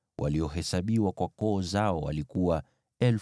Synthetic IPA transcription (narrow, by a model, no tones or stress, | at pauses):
wʔa̰liɔɦɛsaɓiwakwakɔːzaɔwa̰likuwa | ɛl